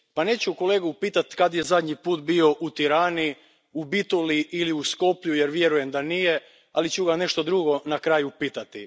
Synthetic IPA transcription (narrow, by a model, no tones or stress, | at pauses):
pane̞ːt͡ɕuko̞leːɡupiːt̪at̪kad̪jezad̪ɲipuːt̪bio̞ʔut̪iɾaːni | ubit̪oliʔiliusko̞pʎujeɾʋje̞ɾuje̞md̪anije | a̰lit͡ɕuɡane̞ʃt̪o̞d̪ɾuɡo̞nakɾaːjupiːt̪at̪i